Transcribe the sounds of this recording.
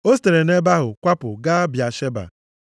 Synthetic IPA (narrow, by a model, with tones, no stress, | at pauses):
o˦s̬te˨ɾe˨ne˦ba˦ɦʊ˨kʷa˦pʊ˨ɡa˦bja˨ʃe˦ba̰˨